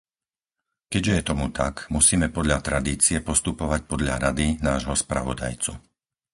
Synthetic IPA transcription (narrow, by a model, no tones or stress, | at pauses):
kɛɟʒɛjɛt̪ɔmut̪a̰kmusiːmɛpɔd̪ʎat̪ɾad̪iːt͡siɛpɔst̪upɔʋac̚pɔd̪ʎa̰ɾad̪inaːʒɦɔspɾa̰ʋɔ̰d̪a̰jt͡su